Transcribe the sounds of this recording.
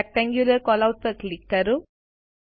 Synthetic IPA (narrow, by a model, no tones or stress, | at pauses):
k̚ʈaŋɡjulɐɾkɔlɐʊʈ̚pɐklɪkːɐɾu